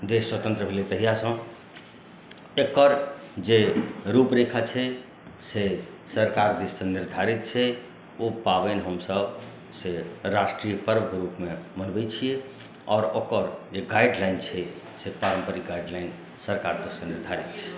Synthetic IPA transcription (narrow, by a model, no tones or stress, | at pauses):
d̪eswət̪ə̃nt̪ɾəbʱelet̪əɦijasə̃ | ekəɾd͡ʒeɾupɾekʰat͡ʃʰɛ | se | səɾkaɾd̪issə̃niɾd̪ʱaɾit̪̚t͡ʃʰɛ | opabɛnɦəmsəb | seɾasʈɾijəpəɾʋəkɾupmemənbɛt͡ʃʰije | ɔːɾokəɾd͡ʒeɡajɖlaɪnt͡ʃʰɛ | sepaɾəmpəɾiɡajɖlaɪn | səɾkaɾd̪issə̃niɾd̪ʱaɾit̪̚t͡ʃʰɛ̥